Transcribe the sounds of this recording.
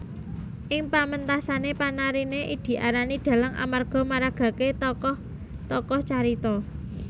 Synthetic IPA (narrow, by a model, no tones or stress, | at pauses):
ʔɪŋpamənt̪asanepanaɾineʔid̪̥i̤ʔaɾaniɖ̪̥ä̤laŋʔa̰marɡ̥ɔ̤maɾaɡ̥a̤ket̪ɔkɔh | t̪ɔkɔht͡ʃaɾit̪ɔ